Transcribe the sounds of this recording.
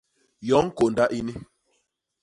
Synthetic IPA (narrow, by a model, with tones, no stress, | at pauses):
jɔ˨˦ŋ˦ko˨nda˦ʔi˦ni˦